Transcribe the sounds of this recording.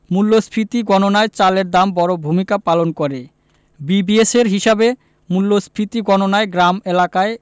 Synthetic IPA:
mulːospʰɾit̪iɡɔnonaet͡ɕaleɾd̪ambɔɾobʱumikapalonkoɾe | bibieseɾɦiʃabe | mulːospʰɾit̪iɡɔnonaeɡɾamelakae

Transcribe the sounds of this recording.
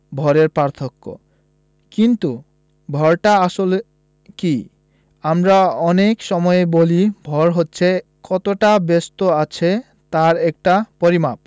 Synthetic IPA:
bʱɔɾeɾpaɾt̪ʰokːo̰ | kint̪u | bʱɔɾʈaaʃol | ki | amɾaɔnekʃɔmɔebolibʱɔɾɦotːɕʰe | kɔt̪oʈabest̪oat͡ɕʰe | t̪aɾɛk̚ʈapoɾimap̚

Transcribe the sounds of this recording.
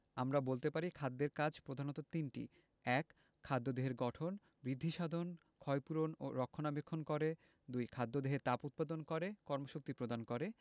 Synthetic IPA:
amɾabolt̪epaɾikʰad̪ːeɾkad͡ʑʱpɾod̪ʱanot̪ot̪inʈḭ | ɛkʰː | ad̪ːod̪eɦeɾɡɔʈʰon | bɾid̪ʱːiʃad̪ʱon | kʰɔjpuɾono̰ɾɔkʰːonabekʰːonkoɾe | d̪ujkʰad̪ːod̪eɦeɾt̪aput̪̚pad̪onkɔɾekɔɾmoʃok̚t̪ipɾod̪ankoɾe

